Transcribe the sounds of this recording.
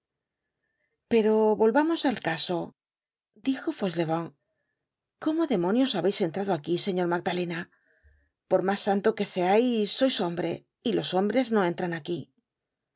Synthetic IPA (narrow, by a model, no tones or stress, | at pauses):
pe̞ɾo̞βo̞lβamo̞salkaso̞ | d̪ixo̞fo̞sle̞β̞oŋ | ko̞mo̞ðe̞mõ̞njo̞saβe̞jse̞nt̪ɾaðo̞akise̞ɲo̞ɾmaɡ̚d̪ale̞na | po̞ɾmasːant̪o̞ke̞se̞ajsːo̞jso̞mbɾe̞ | ilo̞so̞mbɾe̞zno̞e̞nt̪ɾanaki